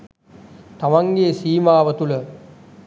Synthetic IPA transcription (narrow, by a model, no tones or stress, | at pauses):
t̪amaŋɡeːsiːmaːʋət̪ulə